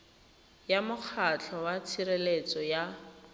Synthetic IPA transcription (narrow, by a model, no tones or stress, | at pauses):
jamʊk͡xʰat͡ɬʰɔwat͡sʰiɾelet͡sɔja